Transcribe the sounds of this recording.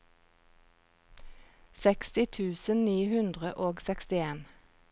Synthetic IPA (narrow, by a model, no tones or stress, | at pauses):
sɛkst̪ɪt̪ʰʉːsənniːhʉnd̪ʁəʔoːɡsɛkst̪ɪeːn